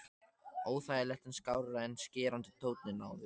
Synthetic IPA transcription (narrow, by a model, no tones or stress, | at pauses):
oːwθajɛlɛht̪ɪnskaːwɾaɾaɛnːscɛːɾant̪ɪt̪ʰoːwt̪nɪnaːwðɪ